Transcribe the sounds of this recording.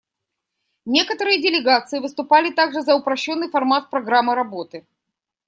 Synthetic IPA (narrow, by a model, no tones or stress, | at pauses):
nʲe̞kət̪əɾɨjədʲɪlʲɪɡat̪sɨɪvɨst̪ʊpalʲɪt̪aɡʐɨzɐʊpɾɐɕːo̞nːɨjfɐrmat̪̚pɾɐɡɾamːɨɾɐbo̞t̪ɨ